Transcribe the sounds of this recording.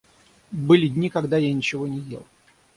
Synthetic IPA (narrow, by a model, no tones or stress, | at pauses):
bɨlʲɪdʲnʲikɐɡd̪ajanʲɪt͡ɕɪvo̞nʲɪjḛlˠ